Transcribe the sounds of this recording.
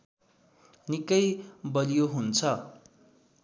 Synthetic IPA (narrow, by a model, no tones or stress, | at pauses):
nikʌjbʌlijoɦunt͡sʰʌ